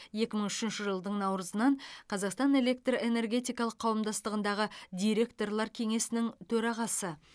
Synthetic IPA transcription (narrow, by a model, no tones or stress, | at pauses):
je̞kʲɪməɴʏʃɪnʃɪʒəlˠd̪əɴnɑwɾəzənɑɴqʰɑzɑqst̪ɑne̞le̞k̚t̪re̞ne̞rɡʲe̞t̪ijkɑlˠəqʰːɑwəmd̪ɑst̪əʁənd̪ɑʁəd̪ʲijɾe̞k̚t̪o̞rlˠɑɾkʲʰe̞ŋe̞sɪnɪŋt̪ʰɵɾɑʁɑsə